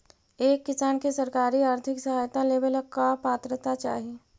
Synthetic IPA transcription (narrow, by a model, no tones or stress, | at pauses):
eːkːɪsaːnkesɐɾkaːɾiaːɾt̪ʰɪksɐɦaːjt̪aleːbəlkapaːt̪ɾət̪at͡ʃa̰ːɦieː